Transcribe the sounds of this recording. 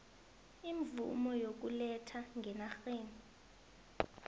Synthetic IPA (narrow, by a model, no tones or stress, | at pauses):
iɱvṵmɔjok̬ʼulɛtʰaŋʱɛnaxeːni